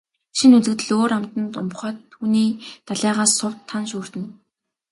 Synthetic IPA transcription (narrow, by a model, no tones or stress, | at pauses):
ʃinut͡sɘ̆kt̪ɘ̆ɮoːɾam̥t̪ə̆nt̪ʊ̰mχœːt̪ʰːuːniːt̪aɮaːʁaːsʊw̥t̪ʰːanʃuːr̥t̪ɘ̆n